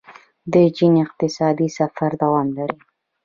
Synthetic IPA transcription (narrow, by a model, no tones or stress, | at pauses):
d̪əd͡ʒinɪq̚t̪ɪsɑd̪isafaɾd̪awɑmlaɾi